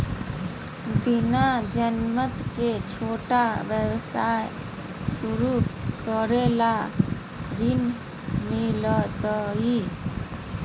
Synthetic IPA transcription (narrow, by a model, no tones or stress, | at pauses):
binad͡ʒənmət̪ket͡ʃʰoʈaʋjəwsaj | suɾukəɾela | ɾin | milət̪əɦi